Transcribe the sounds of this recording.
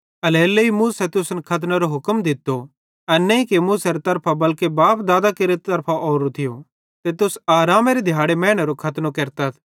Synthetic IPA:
ɐlɛːlːeimũːsɛt̪ʊsnkʰɐt̪̬naɾoɦʊkəmd̪ɪt̪ːo | ɛnɛ̃ĩkemuːseɾet̪ɐɾpʰabɐlkebaːpd̪aːd̪akeɾet̪ɐɾpʰaʔɔːɾot̪ʰɪjo | t̪et̪ʊsaːɾaːmeɾed̪ʱjaːɽemɛ̃ːɽ̃ɐɾokʰɐt̪nokeːɾt̪ɐt̪ʰ

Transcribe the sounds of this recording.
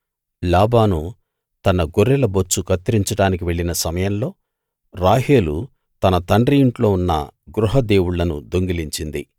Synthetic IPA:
laːbaːnu | t̪ɐnɐɡoɾːɛlɐbot͡ʃːukɐt̪ːɾiɲt͡ʃɐɽaːnikiʋe̞ɭːinɐsɐmɐjɐnlo̞ː | ɾaːɦeːlu | t̪ɐnɐt̪ɐɳɖɾijiɳʈlo̞ːunːɐ̰ɡɾuɦɐd̪e̞ːwuɭːɐnud̪o̞ŋɡiliɲt͡ʃind̪ḭ

